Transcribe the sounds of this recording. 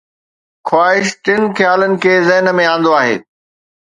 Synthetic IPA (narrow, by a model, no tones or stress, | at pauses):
xʰwaːɦɪʃʈɪnxʰjaːlənɪ̆kʰeːzɛɦnəmẽãːnd̪oaːɦḛː